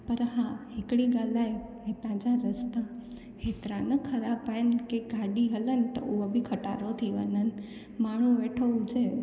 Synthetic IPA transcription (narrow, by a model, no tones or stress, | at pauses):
pəɾɦãɦekɽiɡalajɦet̪ãd͡ʒãɾəst̪a | het̪ɾãnəkʰəɾabajnkeɡʱaɖiɦələnt̪ə̰uʋəbʱikʰəʈa̰ɾot̪ʰiʋə̰nən | maɳ̤̃ũʋeʈʰə̃d͡ʒe